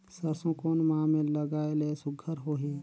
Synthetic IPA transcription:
səɾsõkoːnmãːmẽləɡaːelesʊɡʱəɾɦoːɦiː

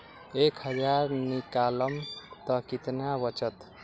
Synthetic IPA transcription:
ekʰhʌd͡zaɾnikalʌmt̪ʌkit̪nabʌt͡ʃʌt̪

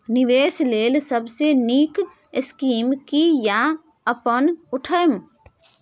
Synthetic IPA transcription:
nɪʋeːsleːlsəbseniːk | ɪskiːmkija | əpənʊʈʰəm

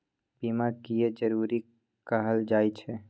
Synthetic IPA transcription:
b̥iːmakijed͡ʒəɾuːɾi | kəɦəld͡ʒaːit͡ʃʰɛ

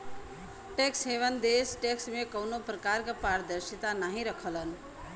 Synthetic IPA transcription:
ʈeksɦeʋənd̪esʈeksmekʌwnopɾəkaɾkapaɾd̪əɾsit̪anaɦĩɾʌkʰələn

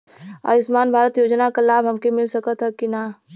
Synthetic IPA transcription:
a̰ːɪsmaːnbʱaːɾət̪joːd͡ʒnakalaːbʱɦɐmkemɪlsɐkət̪ɦɛkina

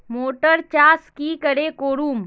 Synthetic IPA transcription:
moːʈəɾt͡ʃaːskikəɾekoːɾuːm

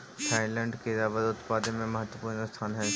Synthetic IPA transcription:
ʈʰaːɪlɛ̃ɳɖked̪aːʋəd̪ʊt̪paːd̪əmẽmɐɦət̪wəpuːɾnəst̪ʰaːnɦɛ

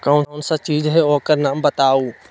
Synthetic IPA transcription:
kaʊnʊnsãt͡ʃiːzɦeɔːkəɾnaːmbɐt̪aːuː

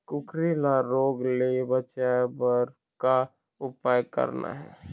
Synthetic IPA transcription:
kʊkɾilaɾoːɡlebət͡ʃabəɾ | ka | ʊpaːjkə̰ɾna̰ɦɛ̰ː

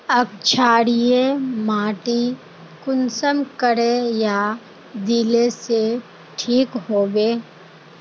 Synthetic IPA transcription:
əkt͡ʃʰaːɽijemaːʈi | kʊnsəmkəɾeja | d̪ilese | ʈʰiːkɦoːɡeː

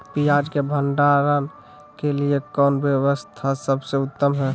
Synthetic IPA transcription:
pijad͡ʒkebʱəɳɖaɾən | keliekɔnbjəwəst̪ʰasəbseʊt̪ːəmɦɛ

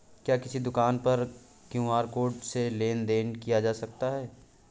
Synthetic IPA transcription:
kjaːkɪsid̪ʊkaːnpɐɾ | kjũːaːɾkoːɖseleːnd̪eːnkijad͡ʒaːsɐk̚t̪aɦɛː

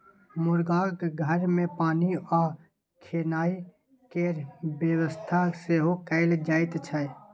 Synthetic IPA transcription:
mʊɾɡaːkɡʱəɾmẽpaːniɔ | kʰeːnaːi | keɾbjəwəst̪ʰaseɦokəɪld͡ʒaːɪt̪t͡ʃʰə

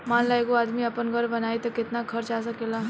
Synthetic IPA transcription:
manlaeɡuad̪miːapənɡʱəɾbənajt̪əket̪nakʰəɾt͡ɕas̬akela

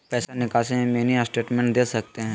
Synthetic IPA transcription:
pɛːsanɪkaːsemẽmeːniasʈeːʈmɛ̃ːɳʈd̪eːsɐk̚t̪eɦɛ̃ː

